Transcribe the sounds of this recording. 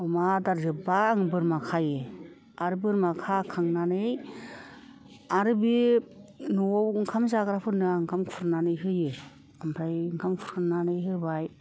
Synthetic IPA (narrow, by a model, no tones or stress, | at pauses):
ɔmadaɾzɯbaːŋbɯɾmakʰajɯ | aɾɯbɯɾmakʰakʰaŋnanɯj | aɾɯbi | nuɔwŋkʰamzaɡɾapʰɯnɯaŋkʰamfʰuɾnanɯjɦɯjɯ | ampʰɾajŋkʰamfʰuɾkʰɯnanɯjɦɯbaj